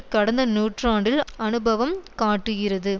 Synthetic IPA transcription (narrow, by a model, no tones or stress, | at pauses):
kɐɽɐnd̪ɐnuːʈraːɳɖɪlɐnɯbɐʋɐmkaːʈːɯɣɪrɐðɯ